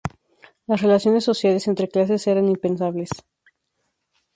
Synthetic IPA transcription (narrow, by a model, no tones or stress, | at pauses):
lasre̞lasjo̞ne̞sːo̞sjale̞se̞nt̪ɾe̞klas̬e̞seɾanimpe̞nsaβle̞s